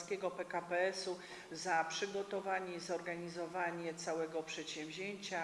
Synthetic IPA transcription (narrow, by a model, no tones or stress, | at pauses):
skʲɛɡɔpɛkapɛɛsu | zapʂɘɡɔt̪ɔvaɲɛizɔɾɡaɲizɔvaɲɛt̪sawɛɡɔpʂɛt̪ɕɛ̃mvʲʑeɲt͡ɕa